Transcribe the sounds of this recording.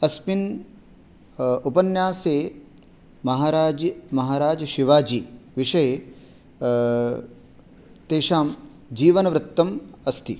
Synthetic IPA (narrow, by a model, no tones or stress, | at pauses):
ɐspin | upɐnjaːseː | mɐɦaːɾaːd͡ʒɐmɐɦaːɾaːd͡ʒɐʃiʋaːd͡ʒiʋiʂɐje | t̪eːʂaːm | d͡ʒiːʋɐnɐʋɾɨt̪ːɐmɐst̪ʰi